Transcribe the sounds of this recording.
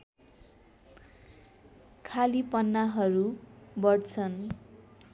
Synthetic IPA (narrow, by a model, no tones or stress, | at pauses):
kʰalipʌnːaɦʌɾubʌɽt͡sʰʌn